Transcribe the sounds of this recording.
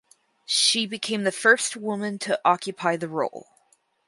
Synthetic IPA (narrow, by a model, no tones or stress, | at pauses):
ʃibɨkʰẽɪ̃mðɨfɜ˞st̚wʊmɨ̃ntʰɨʔɑkʰjɨpʰaɪðɨɹoʊlˠ